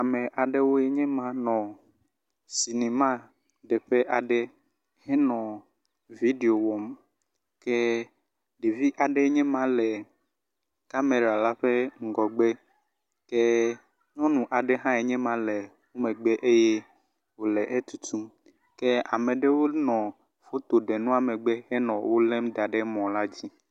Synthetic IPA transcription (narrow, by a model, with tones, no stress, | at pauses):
a˨mɛ̃˨ʔa˨ɖe˦wo˦e˦ɲɛ̃˦mã˦nɔ̃˨ | si˨nẽ˨mã˦ | ɖe˨ɸe˦ʔa˨ɖe˦ | hɛ˦nɔ̃˨ | vi˦ɖe˨o˨wɔ˨m | kɛ˦ | ɖe˨vi˦ʔa˨ɖe˦ɲɛ̃˦mã˦lɛ˨ | ka˦me˨ɾa˨la˦ɸe˦ŋ̩˨ɡɔ˨ɡ͡be˦ | ke˦ | ɲɔ̃˦nũ˨ʔa˨ɖe˦ɦã˦e˨ɲɛ̃˦mã˨lɛ˨ | wo˦mẽ˨ɡ͡be˦ʔe˦je˦ | wo˨lɛ˨ʔe˦t̪u˨t̪u˦m | ke˦a˨mẽ˨ɖe˦wo˦nɔ̃˨ | fo˦t̪o˨ɖe˨nũ˦a˨me˨ɡ͡be˦hɛ˦nɔ̃˨wo˦lɛ̃˦md̪a˨ɖe˦mɔ̃˨la˦d͡ʑi˦